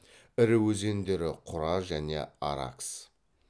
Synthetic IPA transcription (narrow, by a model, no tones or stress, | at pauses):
ɪɾɪwɵze̞nd̪e̞ɾɪqʰʊɾɑʒæne̞̰ɑ̰ɾɑ̰ks